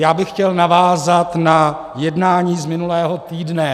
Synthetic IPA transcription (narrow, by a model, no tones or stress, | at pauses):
jaːbɪxcɛlnavaːzat̪na | jɛdnaːɲiːzmɪnulɛːɦot̪iːdnɛ